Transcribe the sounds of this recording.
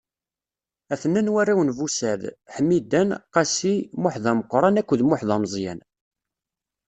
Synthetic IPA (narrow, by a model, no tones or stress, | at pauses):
æθənːænwærːawənvusæðħəmːid̪ænqɑsimʊħðˤɑməqːɾˤɑnækʷːðmʊħðˤɑməzˤjæ̰n